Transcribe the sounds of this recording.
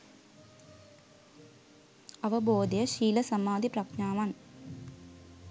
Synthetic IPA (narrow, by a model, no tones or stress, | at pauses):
ɐʋɐboːd̪ɐjɐʃiːlɐsɐmaːd̪iprɐkɲaːʋaːn